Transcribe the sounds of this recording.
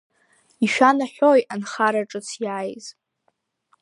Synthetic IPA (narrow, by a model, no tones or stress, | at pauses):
iʃᶣanaħʲʷᶣojanχaɾaʈ͡ʂʼɨt͡sʰjaːjz̥